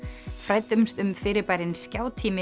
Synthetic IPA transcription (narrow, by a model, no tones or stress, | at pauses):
fɾajt̪ʏmst̪ʏmfɪːɾɪɾpaːjɾɪnscaːwt̪ʰiːmɪ